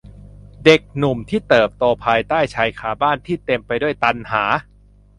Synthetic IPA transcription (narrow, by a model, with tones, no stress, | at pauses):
de˨˩k̚nu˨˩mt̪ʰiː˥˩t̪ɤː˨˩p̚t̪oː˧pʰaː˧jt̪aː˥˩jt͡ɕʰa˧jkʰaː˧˩baː˥˩nt̪ʰiː˥˩t̪e˧mpa˧jdu˥˩əjt̪a˧nhaː˩˦